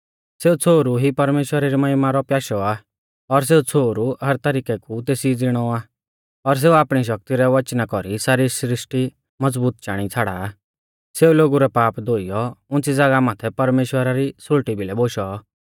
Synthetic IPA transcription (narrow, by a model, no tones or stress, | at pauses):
seːut͡sʰoːɾuɦipɐɾmeːʃwəɾaɾimɐɦɪmaɾɔpjaːʃɔa | ɔɾs̬eːut͡sʰoːɾuɦɐɾt̪əɾiːkɛkut̪eːsid͡zɪɽ̃ɔa | ɔɾs̬eːuaːpɽ̃iʃ̬ɐk̚t̪iɾɛʋɐt͡ʃnakɔɾisaːɾisɾɪʃʈi | mɐd͡zbuːt̪̚t͡ʃaːɽ̃it͡sʰaːɽa | seːuloːɡuɾɛpaːpd̪oːijɔʊ̃nt͡sid͡zɐɡamaːt̪ʰɛpɐɾmeːʃwəɾaɾisʊɭʈibʱilɛboːʃɔ